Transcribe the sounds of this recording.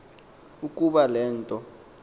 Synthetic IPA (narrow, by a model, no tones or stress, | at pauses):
ukʼuɓalɛːntʼɔ